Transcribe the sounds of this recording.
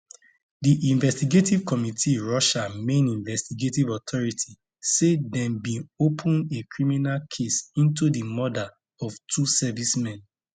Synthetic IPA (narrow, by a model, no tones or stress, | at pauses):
diʔĩnvɛstiɡetiv̥kɔmitʰiɹɔʃamẽnĩnvɛstiɡetivɔtʰɔɹitʰi | sedɛ̃mbĩnopʰũnekɹiminalkʰesĩntudimɔda | ɔvtʰusɛvismɛ̃n